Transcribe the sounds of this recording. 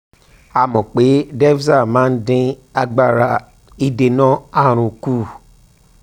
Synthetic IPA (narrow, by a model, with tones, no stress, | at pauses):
a˨mɔ̃˨k͡pe˨˦dɛ˦fsa˦˨mãː˨˦n̩˦dĩ˧a˧ɡ͡ba˦˨ɾa˧ | i˧de˧nɔ̃˦a˦˨ɾ̃ũ˨ku˦˨